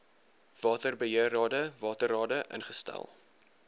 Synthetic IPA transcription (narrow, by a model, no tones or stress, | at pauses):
v̥ɑːtərbəɦiərɑːdəvɑːtərɑːdəʔə̰nχəstæ̰lˠ